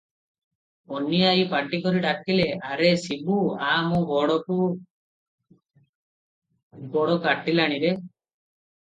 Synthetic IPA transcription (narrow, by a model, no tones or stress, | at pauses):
onːijaipaʈːikɔɾiʈakːileaɾesibuaːmũbɔɽɔku | ɡɔɽɔkaʈːilaɽ̃iɾe